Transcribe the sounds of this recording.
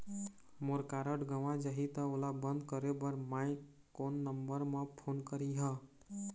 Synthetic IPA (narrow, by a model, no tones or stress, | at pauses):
moɾkaɾəʈɡəʋãd͡ʒəɦit̪əolabənd̪kəɾebəɾmaj | konːəmbəɾmẽpʰonkəɾiɦə